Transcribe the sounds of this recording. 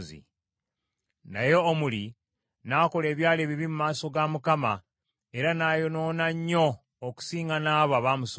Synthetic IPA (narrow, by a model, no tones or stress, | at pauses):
zḭ | na̰jo̞ːmuli | naːko̞le̞ːβjaːleβiβimumaːso̞ɡamukama | e̞ɾanaːjo̞no̞ːnaɲːo̞ː | ku̥siːŋɡanaːβaβaːmus